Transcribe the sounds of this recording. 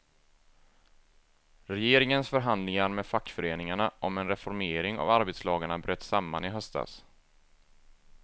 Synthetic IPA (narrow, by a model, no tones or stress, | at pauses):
ɾɛjeːɾɪŋənsfœɾɦand̪lɪŋaɾmɛd̪fakːfœɾeːnɪŋaɳaʔɔmɛnɾɛfɔɾmeːɾɪŋa̰vaɾbeːt̪slɑːɡaɳabɾøːt̪ːsamːa̰nɪɦœst̪a̰s